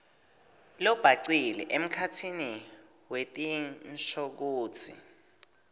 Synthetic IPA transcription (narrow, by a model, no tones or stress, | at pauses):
lɔb̥ʱaǀilɛ̰ʔem̩kʰatʰini | wetʼinʃok̬uːt͡sʰḭ